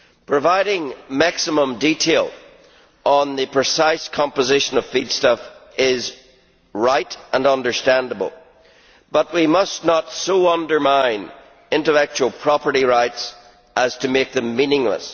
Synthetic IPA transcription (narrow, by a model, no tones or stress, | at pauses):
pʰɹ̥ɨvaɪɾɪ̃ŋmæksəmə̃mditʰelˠ | ə̃nðɨpʰɹ̥ɪsaɪskʰɑ̃mpəzɪʃə̃nʌv̥fid̥stʌfɪz | ɹaɪtʔə̃nʌ̃ndə˞stæ̃ndəbə̰lˠ | b̥ʌʔ̚wimʌsⁿnətsoʌ̃ndə˞mãɪ̃n | ɪ̃ntəlɛk̚t͡ʃʉəlˠpʰɹ̥ɑpə˞ɾiɹaɪts | ʔəz̥tʰɨmek̚ðə̃mːĩnɪ̃ŋlə̰s